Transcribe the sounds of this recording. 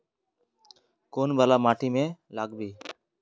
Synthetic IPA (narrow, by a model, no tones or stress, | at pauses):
koːnbaːlaːmaːʈʰiːmẽːlaːɡbʱiː